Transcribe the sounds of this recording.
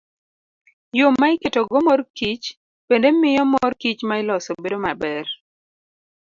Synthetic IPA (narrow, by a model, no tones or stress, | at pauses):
jomːaɪketoɡomɔrkit͡ʃ | pendemɪjɔmɔrkit͡ʃmaɪlɔsobedomabɛr